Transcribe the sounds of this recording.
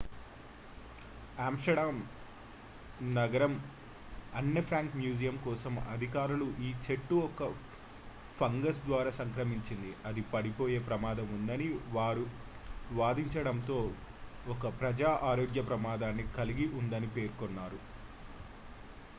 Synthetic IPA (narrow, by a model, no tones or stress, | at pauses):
aːmʂʈɐɽaːm | nɐɡɐɾɐm | ɐnːepʰɾaːŋkmjuːd͡ʒijɐmkɔːsɐmɐ̰d̪ʱikaːɾuluʔiːt͡ʃe̞ʈːuɔkɐ | pʰɐŋɡɐs̬d̪ʋaːɾaːsɐŋkɾɐmiɲt͡ʃind̪iɐd̪ipɐɽipo̞ːje̞ːpɾɐmaːd̪ɐmund̪ɐniʋaːɾu | ʋaːd̪iɲt͡ʃɐɽɐnt̪o̞ː | ɔkɐpɾɐd͡ʒaːʔaːɾoːɡjɐpɾɐmaːd̪aːnːikɐliɡiʔund̪ɐnipe̞ːɾkonːaːɾu